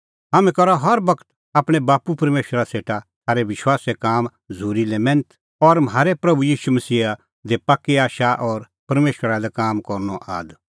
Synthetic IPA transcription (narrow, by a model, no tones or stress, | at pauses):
ɦaːmɛ̃kɐɾɔɦɐɾbɐkʰə̥t̪ | aːpɽ̃ɛbaːpupɐɾmeːʃwəɾaseːʈat̪ʰaːɾeʋɪʃwaːsekaːm | zʱuːɾilɛmɛ̃ːnt̪ | ɔɾmaːɾepɾɐbujiːʃumɐsiːa | d̪epaːkːiaːʃaʔɔːɾ | pɐɾmeːʃwəɾalɛkaːmkɔɾnɔʔa̰ːd̪